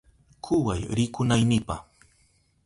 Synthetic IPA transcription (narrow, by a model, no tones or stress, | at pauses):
kʰʊwajɾɪkʊnajnɪpa̰